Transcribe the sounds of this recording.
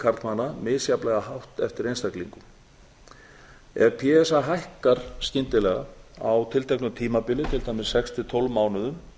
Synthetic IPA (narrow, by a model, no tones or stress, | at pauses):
kʰaɾt̪manːamɪðsjaplɛɣahawht̪ɛft̪ɪɾejnst̪aklḭŋkʏm | ɛ̰ɾpʰiɛsaɦajhkaɾ̥scɪnt̪ɪlɛɣa̰awt̪ʰɪlt̪ʰejknʏmt̪ʰiːmapɪlɪt̪ʰɪlt̪aːjmɪsːɛkst̪ʰɪt̪ʰolvmaːwnʏðʏm